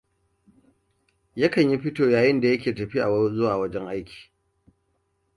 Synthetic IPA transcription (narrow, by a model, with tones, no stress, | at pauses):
jɐ˦kɐ˨ɲji˦ɸɪ˦toː˨jaː˨jɪ˦nda˨jɐ˦k̬ʲeː˨tɐ˨ɸi˦ʔa˨˦zʊ˦waː˨wɐ˦d͡ʒɛ˦ŋʔa˦jkʲʰi̥ː˨